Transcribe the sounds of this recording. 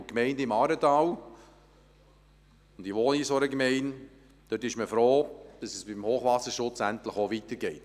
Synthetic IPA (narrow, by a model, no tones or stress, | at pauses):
kmɛɪndəɪmɑːɾətɑːw | ʊndiʋoːnisoɾəkmɛɪn | d̪̥øtːɪʃməfɾoːd̥ɑsɛsb̥ɪmhoːχʋɑsəɾʃʊt͡sæntləχoʋitəɾɡɛɪt